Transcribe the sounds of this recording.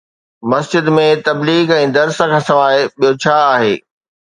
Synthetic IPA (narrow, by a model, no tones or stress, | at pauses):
mɐsd͡ʑɪd̪mẽt̪ɐbliːɡɛ̃ːd̪ɐɾsəkʰɐ̃sɐʋaːɪɓijot͡ɕʰaːaːɦḛː